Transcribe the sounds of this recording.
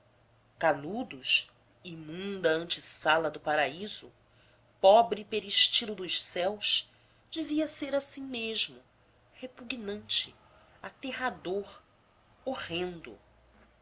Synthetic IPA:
kanud̪ʊʃ | imũnd̪ɐɐ̃nt͡ʃisalɐd̪ʊpaɾaizʊ̰ | pɔbɾipeɾiʃt͡ʃilʊd̪ʊʃsɛwʃ | d͡ʒeviɐseɾasĩmeʒmʊ | hepuɡnɐ̃nt͡ʃɪ | at̪eɦad̪oɾ | ohẽnd̪ʊ̰

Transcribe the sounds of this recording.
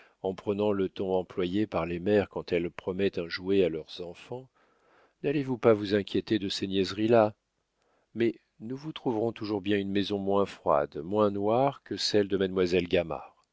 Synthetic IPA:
ɑ̃pχənɑ̃lət̪ɔ̃ɑ̃plwajepaʁlemɛʁkɑ̃t̪ɛlpχɔmɛt̪ɛ̃ʒuealœʁzɑ̃fɑ̃ | nalevupavuzɛ̃kʲjet̪ed̪əsenjɛzʁila | mɛ | nuvut̪χuvʁɔ̃t̪uʒuʁbjɛ̃ynmezɔ̃mwɛ̃fχwa̰d̪mwɛ̃nwaʁkəsɛld̪əmad̪mwazɛlɡama̰ʁ

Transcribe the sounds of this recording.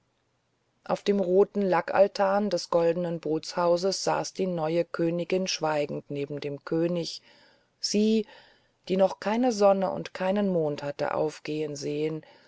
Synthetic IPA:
ʔaʊfd̥eːmʁoːtn̩lakʰa̰ltʰaːndɛsɡ̥ɔldənənboːt͡shaʊzəsz̥a̰ːsd̥iːnɔʏəkʰøːnɪɡɪnʃv̥aɪɡŋ̩tneːbm̩deːmkʰøːnɪç | z̥iː | d̥iːnɔχkʰaɪnəzɔnəʔʊ̰ntkʰaɪnənmoːnthatə̰ʔa̰ʊfɡ̥eːənzeːən

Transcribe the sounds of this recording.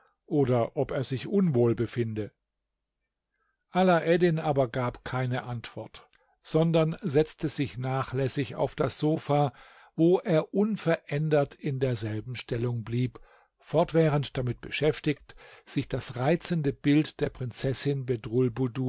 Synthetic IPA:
ʔoːdɐʔɔpeːɐzɪçʔʊnvoːlbəfɪndə | ʔalaʔɛdɪnʔaːbɐɡaːpkʰaɪnəʔantv̥ɔɐt | z̥ɔndɐnzɛt͡stəzɪçnaːχlɛsɪça̰ʊfd̥asz̥oːfaː | voːʔeːɐʔʊnfɛɐʔɛndɐtɪndeːɐzɛlbm̩ʃtʰɛlʊŋbliːp | fɔɐtv̥ɛːʁəntd̥amɪt̚b̥əʃɛftɪçtz̥ɪçd̥asʁaɪt͡səndəbɪltd̥eːɐpʁ̥ɪnt͡sɛsɪnbɛdʁʊlbudu

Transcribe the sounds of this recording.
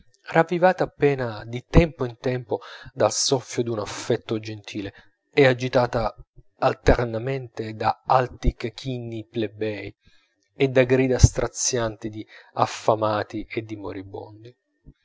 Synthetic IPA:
ravːivaːt̪aːpːɛːnad̪it̪ɛmpoint̪ɛmpod̪alsɔfːjod̪unafːɛt̪ːod͡ʒent̪ʰiːle | ɛad͡ʒit̪aːt̪aː | lt̪ernament̪ed̪aalt̪ikk̟ʰinːiplebɛj | ed̪aɡɾiːd̪ast̪ɾʔat̪sːjant̪id̪iafːamaːt̪iʔed̪ːimo̰ɾibo̰nd̪i

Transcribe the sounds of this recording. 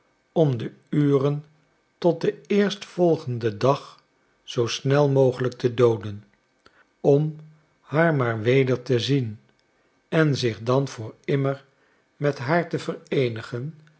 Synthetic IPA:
ɔmdə | yːrən | tɔt̚dəɪːɹstfɔlˠχəndədɑχ | z̥owsnɛlˠmowχələk̚tʰədowdən | ɔm | haːɹmaːɹʋejdəɹtəzin | ɛnzɪχdɑnvʊːɹɪməɹ | mɛtɦaːɹtəvəɾejnəχən

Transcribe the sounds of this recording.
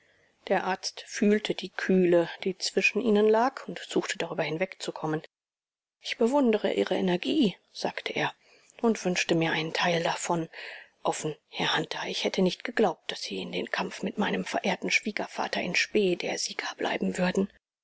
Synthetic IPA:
d̥eːɐʔaɐt͡stfyːltʰədiːkʰyːləd̥iːt͡sv̥ɪʃn̩ʔiːnənlaːkʰʊntz̥uːxtʰəd̥aʁyːbɐhɪnvɛkt͡sukʰɔmən | ʔɪçb̥əvʊndəʁə̰ʔḭːʁəɛnɛɐɡiːz̥aːktʰəʔḛːɐ | ʔʊntv̥ʏnʃtəmiːɐʔaɪnəntʰaɪldafɔnʔɔfn̩hɛɐhantʰaɪçhɛtʰənɪçtɡ̥əɡlaʊp̚t̚d̥asz̥iːɪndeːnkʰamfmɪtmaɪnəmfɛɐʔeːɐtn̩ʃv̥iːɡɐfa̰ːtɐʔɪnʃpeːdeːɐziːɡ̥aːb̥lʔa̰ɪbm̩vʏɐdn̩

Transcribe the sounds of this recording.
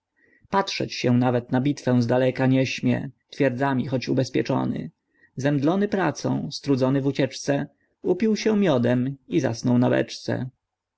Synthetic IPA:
patʂɛ̰t͡ɕɕɛ̃navɛt̪nabʲit̪fɛ̃zd̪alɛkaɲɛɕmʲjɛ̰t̪fʲjɛɾd̪zamʲixɔt͡ɕubɛspʲjɛ̰t͡ʂɔ̰nɘ̰ | zɛmd̪lɔnɘpɾat̪sɔ̰̃w̃st̪ɾud̪zɔnɘvut͡ɕɛt͡ʂt̪sɛ | upʲiwɕɛmʲjɔd̪ɛmiza̰snɔwnabɛ̰t͡ʂt̪sɛ̰

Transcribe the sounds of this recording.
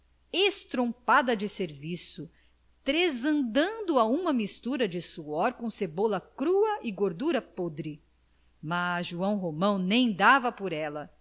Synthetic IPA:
est̪ɾõpad̪ɐd͡ʒɪseɾvisʊ | t̪ɾezɐ̃nd̪ɐ̃nd̪ʊaũmɐmist̪uɾɐd͡ʒɪsuɔɾkõw̃sebolɐkɾuɐʔɪɡoɾd̪uɾɐpod̪ɾɪ | masʒuɐ̃w̃ɦomɐ̃w̃nẽj̃d̪avɐpoɾɛlɐ

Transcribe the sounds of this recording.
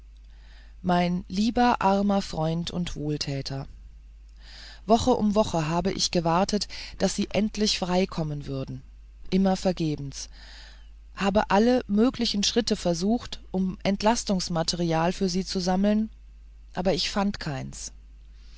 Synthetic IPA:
maɪnliːbɐʔaɐmɐfʁ̥ɔʏntʰʊntv̥oːltʰɛːtʰɐ | vɔχəʔʊmvɔχəɦaːbəʔɪ̰çɡ̥əvaɐtʰətd̥asz̥iːʔɛntʰlɪçfʁ̥aɪkʰɔmənvʏɐdn̩ | ʔɪmɐfɛɐɡeːbm̩s | haːbəʔaləmøːklɪçn̩ʃʁ̥ɪtəfɛɐzuːxtʔʊmʔɛntlastʊŋsmatʰɛʁiaːlfyːɐziːt͡suzaml̩n | ʔaːbɐɪçfantkʰaɪns

